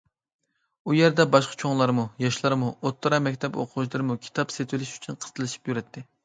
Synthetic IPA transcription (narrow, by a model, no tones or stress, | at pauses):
ujɛɾd̪ɛbɑʃqɑ̥t͡ʃʰoŋlˠɑɾmujɑʃlˠɑɾmuot̪ːəɾɑmɛkʲt̪ʰɛpo̰qʰʊʃlˠɨɾɨmukʲʰi̥t̪ʰɑpset̪wɪlɪʃy̥t͡ʃʰynqʰə̥t̪ʰɨlˠɨʃi̥pjyɾɛt̪ʰːɪ